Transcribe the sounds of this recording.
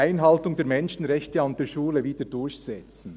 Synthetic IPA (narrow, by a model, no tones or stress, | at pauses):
aɪnɦɑltʊŋdeːɐmɛnʃn̩ʁɛçtəaʊnd̥eːʃuːləviːd̥ədʊɹçsɛt͡sn̩